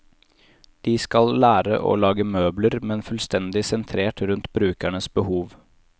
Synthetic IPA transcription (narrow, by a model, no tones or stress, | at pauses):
d̪̥iːskɑllæːɾə̰ʔo̰ːlɑːɡəmøːbləɾmɛnfʉlst̪ɛnd̪ɪsɛnt̪ʰɾeːʈɾʉnt̪bɾʉːkæɳəsbəhuːʋ